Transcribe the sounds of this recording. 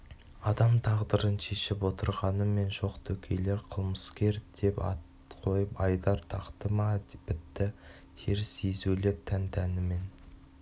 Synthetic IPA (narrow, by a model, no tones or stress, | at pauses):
ɑd̪ɑmt̪ʰɑʁd̪əɾənʃe̞ʃɪpwo̞t̪əɾʁɑnəme̞nʒo̞qt̪ʰɵkʲʰe̞le̞ɾqʰəlˠməskʲe̞ɾd̪e̞pɑ̰t̪ | qʰo̞jəpɑjd̪ɑɾt̪ʰɑqt̪əmɑpɪt̪ːɪ | t̪ʰeɾɪsezulep̚t̪ʰænt̪ʰænɪme̞n